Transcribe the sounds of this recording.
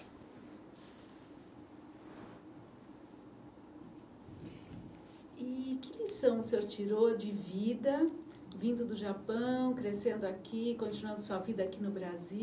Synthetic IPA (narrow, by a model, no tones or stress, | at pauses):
ɪkɪlisɐ̃w̃ʊseoɾt͡ʃiɾod͡ʒɪvid̪ɐ | vĩnd̪ʊd̪ʊʒapɐ̃w̃kɾesẽnd̪ʊakʰikõnt͡ʃinuɐ̃nd̪ɐsuɐvid̪ɐakinʊbɾazi